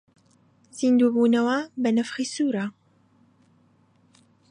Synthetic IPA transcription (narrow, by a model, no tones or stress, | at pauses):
zind̪uːbuːnɐwaːbɐnɐfxisuːɾa